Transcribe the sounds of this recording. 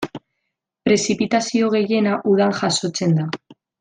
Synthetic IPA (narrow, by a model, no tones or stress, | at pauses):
pɾe̞sipit̪asio̞ɣ̞e̞je̞naʔuð̞aŋʝaso̞t͡se̞nd̪a